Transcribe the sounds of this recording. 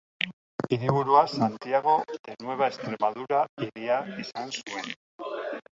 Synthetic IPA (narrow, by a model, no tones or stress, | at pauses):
iɾiβ̞uɾuasant̪iaɣ̞o̞t̪enwe̞β̞ae̞st̪ɾe̞maðuɾaiɾiaisansue̞n